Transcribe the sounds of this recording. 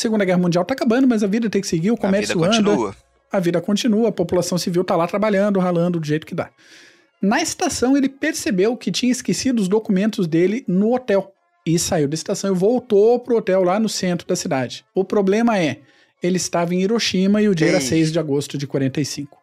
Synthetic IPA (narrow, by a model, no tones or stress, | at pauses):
seɡũnd̪ɐɡɛɦɐmũnd͡ʒiawt̪akabɐ̃nd̪ʊmɐzɐvid̪ɐt̪ẽjkɪ̥sɪɡiɾʊkõmɛɾsuɐ̃ɐ | ɐvid̪ɐkõt͡ʃĩnuɐːpopulasɐ̃w̃siviwt̪alat̪ɾabaʎɐ̃nd̪ʊɦalɐ̃nd̪ʊd̪ʊʒejt̪ʊ̥kɪd̪a̰ | nɐɪst̪asɐ̃w̃elɪpeɾsebewkɪt͡ʃĩɲɐɪskesid̪ʊʊzd̪okumẽnt̪ʊzd̪elɪnʊot̪ɛw | ɪsaiwd̪ɐɪst̪asɐ̃w̃ɪvowt̪opɾʊot̪ɛwlanʊsẽnt̪ɾʊd̪ɐsid̪ad͡ʒɪʊpɾoblẽmɐɛ | elɪɪst̪avɐẽiɾoʃĩmɐɪʊd͡ʒiɐɛɾɐsejzd͡ʒɪaɡost̪ʊd͡ʒɪkwaɾẽnt̪ɐjsĩkʊ̥